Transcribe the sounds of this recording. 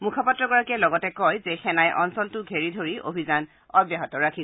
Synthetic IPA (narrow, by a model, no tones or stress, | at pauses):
mukʰɔpatɹɔɡɔɹakɛlɔɡɔtɛkɔjzexɛnajʔɔnsɔltʊɡʱeɹidʱoɹiʔo̰bʱizan | ɔbjaɦɔtɔɹakʰi